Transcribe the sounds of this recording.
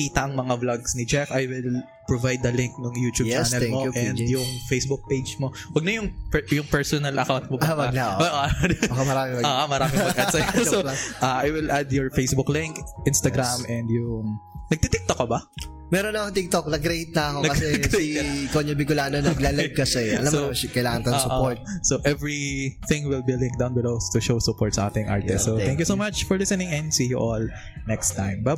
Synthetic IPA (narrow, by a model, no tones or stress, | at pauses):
iːt̪ɐʔɐŋmɐŋablaɡsnɪd͡ʒɛfajwɪl | pɹɔvajd̪ːɐlɪŋk̚nʊŋjuːt̪ut͡ʃːnnɛlmoʔɛnd̪jʊŋfejsbʊk̚pejd͡ʒmo | wɐɡ̚nɐjʊŋpjʊŋpɛɹsɔnɐlʔɐ̰kawnt̪̚mobɐɐɡ̪ɐoɐʔomɐɾaːmɪmɐʔoːʔomɐɾaːmɪŋmɐɡʔɐsɐoʔaʔajwɪlʔad̪jɔɹfejsbʊklɪŋkʔɪnst̪ɐɡɾamɛnd̪jʊŋnɐɡ̚t̪it̪ɪk̚t̪okɐbɐ | mɛɾonːɐkoŋt̪ɪk̚t̪ok̚nɐɡɾejt̪̚nɐɐkonɐkɐsɛset̪kkoɲɐbɪkʊlaːnonɐɡlaːlɡ̚kɐsɛɐ̰lamsokɐjɪlaːŋɐnk̪ɐsʊpoɹt̪̚soʔɛvɹiθɪ̃ŋwɪlbilɪ̃ŋk̚d̪awnbɪlost̪uʃowsʊpɔɹt̪sɐʔa̰ːt̪ɪŋʔa̰ɹt̪ɛssot̪ɛ̃ŋkjusomat͡ʃfɔɹlɪsɛnɪ̃ŋɛ̃nd̪siːjuʔol | nɛkst̪ãjmbɐ